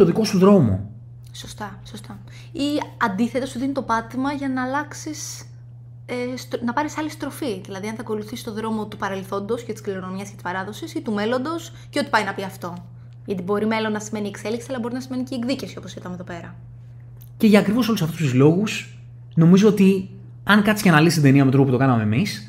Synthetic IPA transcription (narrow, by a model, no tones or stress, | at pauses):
oðiko̞suðɾo̞mo̰ | so̞st̪ɐso̞st̪ɐ | iɐnd̪iθe̞t̪esðinit̪o̞pɐt̪imɐʝɐnɐːlɐksis | est̪nɐpɐɾisɐlist̪ɾo̞fiðilɐðiɐnθɐko̞luθisi̥st̪o̞ðɾo̞mo̞t̪upɐɾe̞lθo̞nd̪oscet̪i̥skliɾo̞no̞miɐscet̪i̥spɐɾɐðosisit̪ume̞lo̞nd̪o̞s | ceo̞t̪i̥pɐjnɐpiɐft̪o̞ | ʝɐt̪ibo̞ɾime̞lo̞nːɐsime̞niekse̞liksiɐlɐbo̞ɾinɐsime̞niceːɡðicefsio̞po̞sit̪ɐmeðo̞pe̞ɾɐ | ce̞ʝɐːkɾivo̞so̞lusɐft̪ust̪uzlo̞ɣus | no̞mizo̞ot̪i | ɐŋkɐt̪sicɐnɐlist̪id̪e̞niɐmet̪ɾoput̪o̞kɐnɐme̞mis